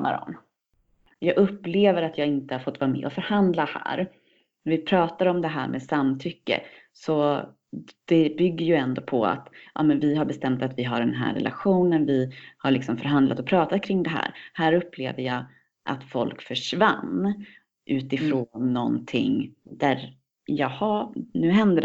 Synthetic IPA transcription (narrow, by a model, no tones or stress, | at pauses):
ma̰ɾɔ̰n | jɑːɡɵpːleːvəɾat̪jɑːɡɪnt̪əhaɾfɔt̪ːvɑːɾamɛ̰ːʔɔfœɾhand̪lahæ̰ːɾ | næɾvɪpʰɾɑːt̪aɾɔmd̪ɛɦæ̰ːɾmʔɛsamːt̪ʰʏkːə̰ | sɔ | d̪̥ɛbʏɡːəjɵɛnd̪oːpʰɔa̰t̪ʔɑ̰ːmɛnvɪɦaɾbɛst̪ɛmt̪at̪vɪɦaɖɛnɦæ̰ːɾːɛ̰lʔa̰ɧuːnənvɪhaɭɪksɔmfœɾɦand̪lat̪ɔpʰɾɑːt̪at̪kʰɾɪŋːd̪ɛɦæ̰ːɾhæːɾɵpːlḛːvəjɑː | ʔa̰t̪fɔ̰lkfœʂvanː | ʔʉ̟ːt̪ɪfɾoːnːɔnt̪ʰɪ̰ŋd̪̥æɾ | jɑhɑnʉ̟ːɦɛnd̪əd